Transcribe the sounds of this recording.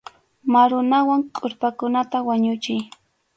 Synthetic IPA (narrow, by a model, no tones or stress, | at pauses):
maɾʊnawaŋkʼʊɾpakʊnat̪awaɲʊt͡ʃɪj